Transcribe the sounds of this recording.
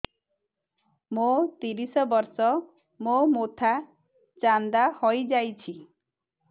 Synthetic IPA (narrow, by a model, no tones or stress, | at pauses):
mot̪iɾisɔbɔɾsɔ | momot̪ʰa | t͡ʃand̪ahɔjd͡ʒajt͡ʃʰi